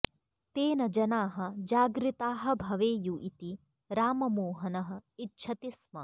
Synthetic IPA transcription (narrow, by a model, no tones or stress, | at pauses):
t̪eːnɐd͡ʒɐnaːɦɐ̆d͡ʒaːɡɾit̪aːɦɐ̆bʱɐʋeːjuʔit̪i | ɾaːmɐmoːɦɐnɐɦɐ̆itːʃʰɐt̪ismɐ